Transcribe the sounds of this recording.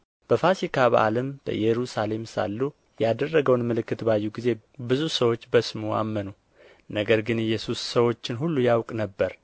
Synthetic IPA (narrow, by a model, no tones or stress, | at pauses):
b̥əfasikʰaβa̰ʔa̰ləmb̥ə̰jɛɾusale̞msa̰lːu | jad̪ərːəɡəwnmɨlɨkːɨt̪bajːuɡize̞ | bɨzusəwo̞t͡ʃːbəsmua̰mːənu | nəɡəɾɡɨnɨjːɛsusːəwo̞t͡ʃːɪnɦulːujawkʼnəbːəɾ